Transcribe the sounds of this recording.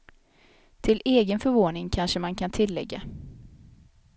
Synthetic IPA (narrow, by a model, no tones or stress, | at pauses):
t̪ʰɪleːɡənfœɾvoːnɪŋkʰanʂəmankʰant̪ʰɪlːɛ̰ɡːa̰